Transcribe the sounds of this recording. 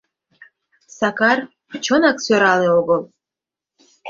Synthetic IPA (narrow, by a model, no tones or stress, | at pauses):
sakɑr | t͡ʃʰonaksøɾɑleoɡəlˠ